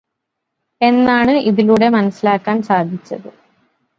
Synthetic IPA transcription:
e̞nːaːɳɨʔiðiluːɽe̞mɐnɐsːilaːkːaːnsaːd̪ʱit͡ɕːɐðɨ

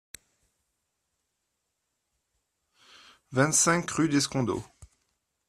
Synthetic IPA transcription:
vɛ̃nt̪sɛ̃ŋkʁyd̪eskɔ̃d̪o̰

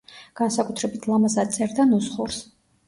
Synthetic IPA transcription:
ɡ̥ansakʼut̪ʰɾɛbit̪ʰlˠamazat̪sʼɛɾd̪anɔsχuɾs

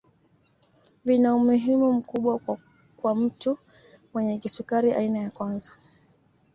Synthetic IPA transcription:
vinaumuɦimum̩kuɓwa | kwam̩tu | mwɛɲɛkisukaɾiʔa̰inajakwanza

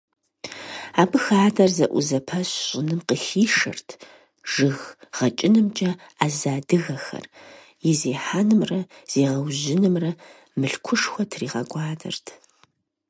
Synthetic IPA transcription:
aːbɨxaːdɐrzɐʔʷʊ̰zɐpʰɐɕɕʼɪnɨmqəxiːʂɐ̰rtʰ | ʒ̥ɨɣʁ̥ɐt͡ʃʼɪnɨmt͡ʃʼɐ | aːzaːdɨɣɐxɐ̰r | jɪzeːħanɨmrɐz̥eːʁɐwʑɪnɨmrɐ | mɨɬkʷʰʊʂxʷɔtʰriːʁɐɡʷʼɑːdɐ̰rtʰ

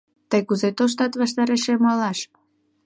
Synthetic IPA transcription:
t̪əjkuzet̪oʃ̬t̪ɑt̪βɑʃt̪ɑɾeʃemɑlɑʃ

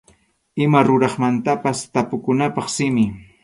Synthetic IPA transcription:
ɪmaɾʊɾɑχmant̪apast̪apʊkʊnapɑχsɪmɪ

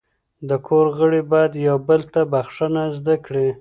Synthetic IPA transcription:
d̪əkʰoɾɣəɽibɑjad̪jawbəlt̪abaxʂənazd̪akɽe

